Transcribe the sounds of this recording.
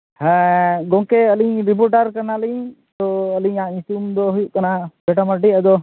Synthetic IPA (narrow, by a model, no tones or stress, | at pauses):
hɛ̃ɡɔ̃ŋkeəliɲɾip̬ɔɾʈaɾkəɾnaliɲ | t̪ɔəliɲaĩsumd̪ɔɦujuʔkɐnabɛʈamaʈiəd̪ɔ